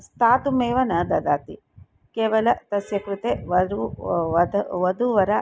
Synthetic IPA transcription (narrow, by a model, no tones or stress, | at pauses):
st̪ʰaːt̪umeːʋɐnɐd̪ɐd̪aːt̪i | keːʋɐlɐt̪ɐsjɐkɾut̪eʋɐɾuɐd̪ɐʋɐd̪uʋɐɾɐ